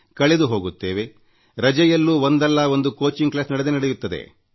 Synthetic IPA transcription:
kɐɭed̪uɦo̞ːɡut̪ːe̞ːʋe̞ | ɾɐd͡ʒɛjɐlːuːond̪ɐlːɐo̞nd̪uko̞ːt͡ʃiŋɡklaːsnɐɽed̪enɐɽejut̪ːɐd̪ḛ

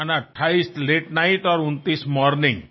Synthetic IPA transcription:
anaʈʰːaist̪leʈnajʈɔɾunt̪ismɔɾnɪ̃ŋɡ

